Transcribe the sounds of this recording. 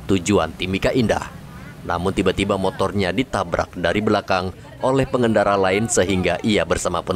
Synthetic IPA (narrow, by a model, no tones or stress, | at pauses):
t̪ud͡ʒua̰nt̪imikaʔinda̰h | na̰mʊnt̪ibat̪ibamot̪ɔrɲadit̪abɾʔa̰k̚daɾibəlakaŋ | ʔolɛhpəŋəndaɾalaɪnsəɦiŋɡaʔiabərsamapən